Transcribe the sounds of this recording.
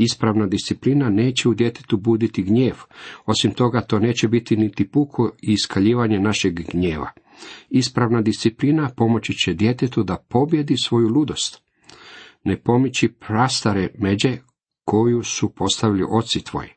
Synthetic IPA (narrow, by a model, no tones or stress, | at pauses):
ispɾaʋnad̪ist̪siplinane̞ːt͡ɕeud̪je̞t̪e̥t̪ubud̪it̪iɡɲe̞ːʋo̞simt̪o̞ɡat̪o̞ːne̞ːt͡ɕebit̪init̪ipukʰoiːskaʎiːʋaɲe̞naʃeɡɡɲe̞ːʋa̰ | ispɾaʋnad̪ist̪siplinapo̞mo̞t͡ɕit͡ɕed̪je̞t̪e̞t̪ud̪apo̞bje̞d̪isʋo̞julud̪o̞st̪ | ne̞po̞mit͡ɕipɾast̪aɾeme̞d͡ʑe̞ | ko̞jusupo̞st̪aʋilḭʔo̞t̪sit̪ʋo̞̰ji